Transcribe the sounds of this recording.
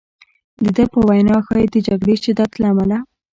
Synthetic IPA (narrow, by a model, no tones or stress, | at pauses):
d̪əd̪əpəwajnɑxɑjid̪əd͡ʒaɡɽeʃɪd̪at̪laːmala